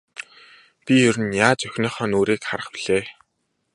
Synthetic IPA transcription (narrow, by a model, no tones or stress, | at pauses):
pʲijɵɾɘ̆njaːt͡sœxʲnœːχœːnoːɾiːkχaɾə̆χpiɮ̥eː